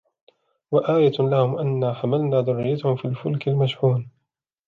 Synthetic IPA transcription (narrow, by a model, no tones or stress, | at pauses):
waʔaːjalahʊmʔanːaːħamalnaːd̪ʊrːɪjat̪ʊhʊmfiːlfʊlkalmaʃħuːn